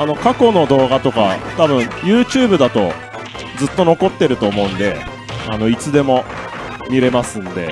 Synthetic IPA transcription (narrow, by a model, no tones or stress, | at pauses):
ano̞kako̞no̞d̪o̞ːɡat̪o̞kat̪abɯ̟̃ɰ̃jɯːt͡ɕɨːbɯ̟d̪at̪o̞ | d͡zɨt̪ːo̞no̞ko̞t̪ːe̞ɾɯ̟t̪o̞ːmo̞ɯ̟̃nd̪e̞ | ano̞it͡sɨd̪e̞mo̞ | mʲiɾe̞masɨ̃nd̪e̞̰